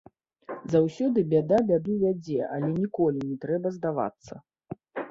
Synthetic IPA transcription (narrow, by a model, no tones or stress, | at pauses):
zawsʲɔd̪ɨbʲad̪abʲad̪uvʲad͡zʲɛʔalʲɛnʲikɔlʲinʲɛt̪ɾɛbɐzd̪ava̰t̪sːɐ̰